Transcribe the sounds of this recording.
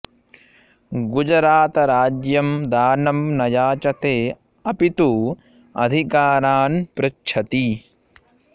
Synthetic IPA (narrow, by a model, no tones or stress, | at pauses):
ɡud͡ʒɐɾaːt̪ɐɾaːd͡ʒjɐmd̪aːnɐmnɐjaːt͡ʃɐt̪eː | ɐpit̪u | ɐ̰d̪ʱikaːɾaːnpɾɐt͡ʃːʃʰɐt̪i